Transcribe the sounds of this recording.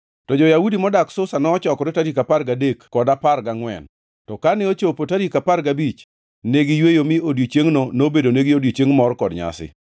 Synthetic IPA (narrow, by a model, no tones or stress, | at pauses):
tɔd͡ʒɔjaudimɔdaksʊsanɔɔt͡ʃɔkɔɾɪtaɾikaparɡadekːɔdaparɡaŋwɛ̰n | tɔkanɛot͡ʃopotaɾikaparɡabit͡ʃ | neɡijwejomɪodjot͡ʃeŋnonobedoneɡɪodjot͡ʃeŋmɔrkɔdɲa̰sɪ̰